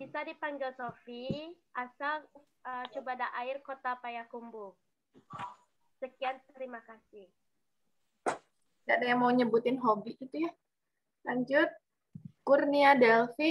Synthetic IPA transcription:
bisadipaŋɡɪlsofiʔasal | ət͡ʃubadaʔaɪrkot̪apajakumbu | səkiant̪əɾimakasɪh | dadajaŋmauɲəbut̪ɪnɦobiit̪uja | laɲd͡ʒʊt̪̚ | kurniadɛlfi

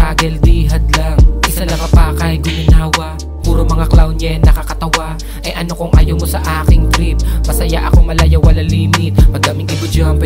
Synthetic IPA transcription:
aːɡɛld̪iːɦɐd̪laŋʔɪsalɐŋɐpaːkɐjɡʊmɪnaːwɐʔ | buːɾomɐŋaklawnɲɐnnɐkakɐt̪ɐwa | ʔɐjʔɐno̞koŋʔɐ̰jomosɐʔaːkɪŋfɾip̚mɐsɐja̰ʔɐkomɐlɐjɐwɐlaliːmɪt̪̚mɐɡ̚d̪amɪŋɪɡʊd͡ʒampɛ

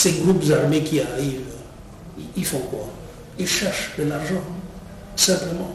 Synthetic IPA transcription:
seɡʁupzaʁmekiaʁiv | iifɔ̃kwa̰ | ilʃɛʁʃd̪əlaʁʒɑ̃ | sɛ̃pləmɑ̃

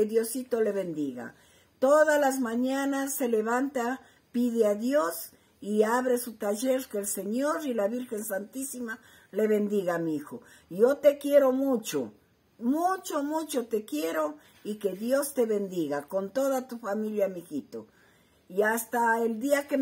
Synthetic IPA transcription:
keðjosit̪oleβend̪iɣa̰ | t̪oðazlazmãɲanasːeleβant̪a | piðeaðjos | iaβɾesut̪aʝeɾkeːlseɲoɾilaβiɾxe̞nsant̪isima | le̞βend̪iɣamiixojot̪e̞kje̞ɾomut͡ʃo̰ | mut͡ʃomut͡ʃot̪ekjeɾo | ike̞ðjo̞st̪e̞βend̪iɣakont̪oðat̪ufamiljamixit̪o | iast̪aeld̪iake

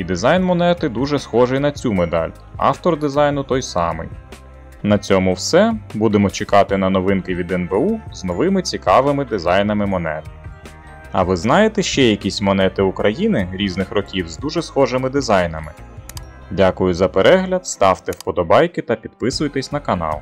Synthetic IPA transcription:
id̪ɪzɑjnmɔnɛt̪ɪd̪uʒɛsxɔʒɪjnɐt͡sʲumed̪ɑ̰lʲ | ɑ̰ft̪ɔrd̪ɪzɑjnʊt̪ɔjsɑ̰mɪ̰j | nɐt͡sʲɔmʊwsɛbud̪emɔt͡ʃekɑt̪ɪnɐnɔʋɪnkɪʋʲid̪ɛnbeuznɔʋɪmɪt͡sʲikɑʋɪmɪd̪ɪzɑjnɐmɪmɔnɛ̰t̪ | ɐ̰ʋɪznɑjet̪ɛʃt͡ʃɛjɐkʲisʲmɔnɛt̪ɪʊkɾɐjinɪɾʲiznɪxɾɔkʲiwzd̪uʒɛsxɔʒɪmɪd̪ɪzɑjnɐmɪ | dʲakʊjʊzɐpeɾʔɛɦlʲɐd̪st̪ɑwt̪ɛwpɔd̪ɔbɑjkɪt̪ɐpʲid̪̚pɪsʊjt̪ɛsʲn̪ɐkɐnɑ̰lˠ

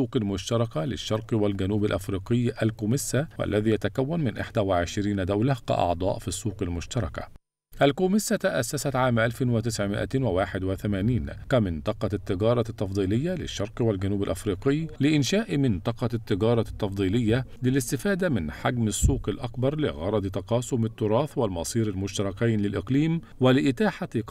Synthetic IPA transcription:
uːqɪlmʊʃt̪ɑɾˤɑkalɪ̰ʃːɑɾˤqwalɡanuːbalʔafɾiːqɪjːʔalkuːmɪsːawʔa̰lːæðiːjat̪akawːanmɪnʔɪ̰ħd̪awɪʕɪʃɾiːnd̪awlahka̰ʔɑ̰ʕd̪ˤɑ̰ːʔfisˤːuːqɪlmʊʃt̪ɑɾˤɑka̰ | ʔalkuːmɪsːat̪aʔasːasat̪ʕaːmʔalfɪnwɪt̪ɪsʕmɪ̰ʔa̰t̪wɪwaːħɪd̪wɪθamaːniːnkamɪnt̪ˤɑqɑt̪ːɪɡɑːɾˤɑt̪ːɑfd̪ˤiːlɪjːalɪ̰ʃːɑɾˤqwalɡanuːbɪlʔafɾiːqɪjːlɪʔɪnʃaːʔmɪnt̪ˤɑqɑt̪ːɪɡɑːɾˤɑt̪ːɑfd̪ˤiːlɪjːalɪlɪst̪ɪfaːd̪amɪnħaɡmɪsˤːuːqɪlʔakbɑɾˤlɪ̰ɣɑɾˤɑd̪ˤt̪ɑqɑːsʊmɪt̪ːʊɾˤɑːθwalmɑsˤiːɾalmʊʃt̪ɑɾˤɑkaːnlɪlʔɪqliːm | walɪʔɪt̪aːħa

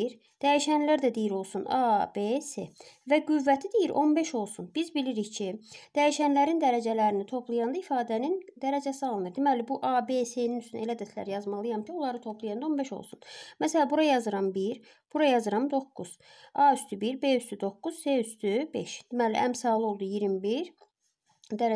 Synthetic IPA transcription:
iɾ | d̪̥æjiʃænlæɾd̪æd̪ijiɾo̞lˠsunɑbese̞væɡyvːæt̪ʰid̪ijiɾʔo̞nbe̞ʃo̞lˠsunbizbiliɾiçcʰid̪̥æjiʃænlæɾind̪æɾæd͡ʒælæɾinit̪ʰo̞pʰlˠujɑnd̪ɑifɑːd̪ænind̪æɾæd͡ʒæsiɑlˠɯnɯɾd̪imælibuʔɑbe̞seninysyne̞læd̪æt̪læ̰ɾjɑzmɑlˠɯjɑmcʰio̞lˠɑɾɯt̪ʰo̞pʰlˠɯjɑnd̪ɑo̞nbeʃo̰lˠsunmæsælæbuɾɑjɑzɯɾɑmbiɾ | b̥uɾɑjɑzɯɾɑmd̪o̞kːuz̥ɑyst̪ʰybiɾbe̞yst̪ʰyd̪o̞kːuz̥seyst̪ʰybḛʃd̪̥imælḭʔæ̰msɑːlˠo̞lˠd̪ujiɾimbiɾ | d̪æɾ

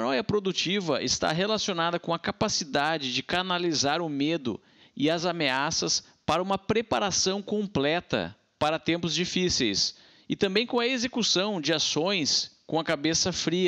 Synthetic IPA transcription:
ɐnɔjɐpɾod̪ut͡ʃivɐʔɪst̪a̰ɦelasionad̪ɐkõɐkapasid̪ad͡ʒɪd͡ʒɪkanalizaɾʊmed̪ʊ̰ | ɪɐzameasɐs | paɾɐũmɐpɾepaɾasɐ̃w̃kõmplɛt̪ɐ̰ | paɾɐt̪ẽmpʊzd͡ʒifisḛjs | ɪt̪ɐ̃mbẽj̃kõɐezekusɐ̃w̃d͡ʒɪasõj̃skõɐkabesɐfɾiɐ

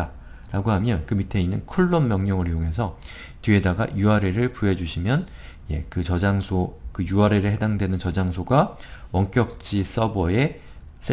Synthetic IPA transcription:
a | ɾaɡoɦamjʌnkɯmitʰe̞inːɯnkʰuɭːommjʌŋɲʌŋɯɾjoŋɦe̞s̬ʰʌ | tɥie̞daɡa̰juaɾe̞ɾɯɭpuɦe̞d͡ʑuɕʰimjʌn | je̞̰kɯt͡ɕʌd͡ʑaŋsʰokɯjuaɾe̞ɾɯɭɦe̞daŋdwe̞nɯnt͡ɕʌd͡ʑaŋsʰoɡawʌŋk͈jʌk̚t͡ɕ͈is͈ʌbʌe̞ | s͈ʰe

